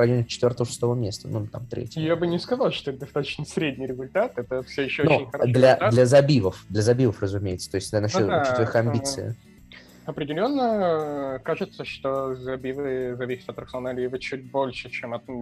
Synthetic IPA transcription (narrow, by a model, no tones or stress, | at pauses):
ɐdʲinʲt͡ɕːɪ̥t̪vʲort̪əvəʂɨ̥st̪ovəmʲest̪ənut̪a̰mt̪ɾʲḛtʲjjabɨnʲɪskɐzalˠʂt̪oɛt̪d̪ɐst̪at̪ə̥t͡ɕnəsɾʲedʲnʲijɾʲɪzʊlʲt̪at̪ɛt̪əfsʲojɪɕːoonuɪnʲxɐd̪lʲɐlʲɐzɐbʲivəfd̪lʲəzɐbʲivəfrəzʊmʲejɪt̪sə̥t̪o̞ɪsʲtʲd̪lʲɐnɐot͡ɕitvʲɾʲxɐmʲbʲit̪sɨ̰ɪ̰ | ɐpɾʲɪdʲɪlʲo̞nːə | kaʐɨt̪səʂt̪ozɐbʲivɨzɐvʲisʲɪt̪ɐt̪ːɾəksonalʲivət͡ɕut̚ʲbo̞lʲʂɨt͡ɕemɐt̪